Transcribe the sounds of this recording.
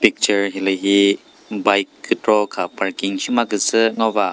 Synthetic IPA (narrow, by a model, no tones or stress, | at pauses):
pik̚t͡ʃəɾɦilɯɦi | bajkːɯtɾɔkʰapaɾkiŋsimaɡɯsɯŋaba